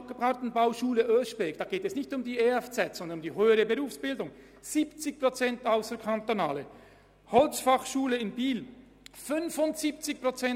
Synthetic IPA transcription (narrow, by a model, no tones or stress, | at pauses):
p̚ɡ̥əbʁɑtn̩baʊʃuːləʔøːʃbeːɡd̥ɑːɡeːtɛsnɪçtʊmdiːeɛft͡sɛtz̥ɔndənmdiːɦøːəɾəbəʁuːfsb̥ɪldʊŋ | z̥iːpt͡sɪç̚pʁ̥ot͡sɛntaʊsəɾkʰantonaːlə | hɔlsfɑχʃuːləɪnbiːl | fʏnvʊntz̥iːp̚t͡sɪçpʁ̥ot͡sɛn